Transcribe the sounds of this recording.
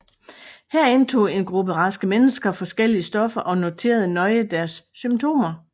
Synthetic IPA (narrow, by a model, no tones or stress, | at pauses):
hæɐe̝nt͡sʰo̝̰ːe̝nɡ̥ʁub̥əʁɑ̈sɡ̥əmenəsɡ̥ɐfɒ̽sɡ̥el̰iəsd̥ɒ̽fɐʔɒ̽no̝t͡sʰe̝̰ːɐðˠənɒ̽ɪəd̥æɐsːymt͡sʰo̝̰ːmɐ